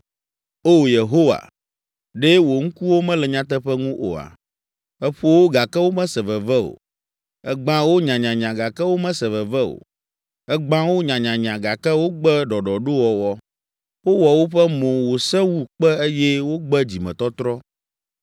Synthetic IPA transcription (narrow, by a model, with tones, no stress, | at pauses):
o˦je˨ɦo˦wa̰˨ | ɖe˦wo˨ŋ̩̃˦ku˦wo˦mɛ̃˦lɛ˨ɲã˦t̪̬ɛ˦ɸɛ˦ŋũ˦ʔo̰˨a̰˨ | ɛ˦ɸu˦o˦wo˦ɡa˨kɛ˦wo˦mɛ̃˦sɛ˨vɛ˨vɛ˦o̰˨ | ɛ˦ɡ͡bã˦wo˦ɲã˨ɲã˨ɲã˨ɡa˨kɛ˦wo˦mɛ̃˦sɛ˨vɛ˨vɛ˦o̰˨ | ɛ˦ɡ͡bã˦wo˦ɲã˨ɲã˨ɲã˨ɡa˨kɛ˦wo˦ɡ͡bɛ˦ɖɔ˨ɖɔ˨ɖo˦wɔ˨wɔ˦ | wo˦wɔ˨wo˦ɸɛ˦mõ˨wo˨sɛ˦wu˦k͡pɛ˦e˦jɛ˦wo˦ɡ͡bɛ˦d͡ʑi˨mɛ̃˨t̪ɔ˦t̪ɾɔ˦